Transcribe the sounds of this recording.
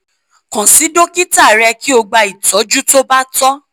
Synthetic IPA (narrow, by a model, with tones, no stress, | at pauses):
kã˨si˨˦do˦ki˦ta˦˨ɾɛ˧ki˦o˧ɡ͡ba˧i˨tɔ˨˦d͡ʒu˦to˦ba˦tɔ˦